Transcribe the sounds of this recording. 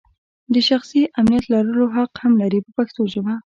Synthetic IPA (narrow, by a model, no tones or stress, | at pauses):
d̪əʃaxsiʔamnijat̪lɑɾəloɦaqhamlaɾipəpaxt̪oʒəma